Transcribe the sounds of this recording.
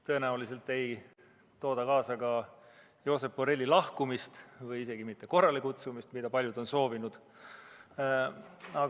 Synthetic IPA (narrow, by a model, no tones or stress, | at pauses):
t̪ɤ̞enæulis̬e̞lt̪ːˑe̞j | t̪o̞ːd̪̥ɑkɑːsɑɡɑ | jo̞ːse̞pːoɾe̞lʲːilɑhkumist̪vɯjise̞ɡ̥imit̪ːe̞ko̞rːɑlekut̪sumist̪mid̪̥ɑpɑlʲjud̪̥o̞nso̞ːvinud̪̥ | ɑ